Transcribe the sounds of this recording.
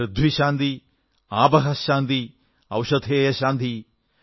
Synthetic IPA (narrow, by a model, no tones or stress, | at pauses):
ɾɪd̪ʱʋiʃaːnd̪i | aːbɐɦɐʃaːnd̪i | ɐ̰wʃɐd̪ʱeːjɐʃaːnd̪i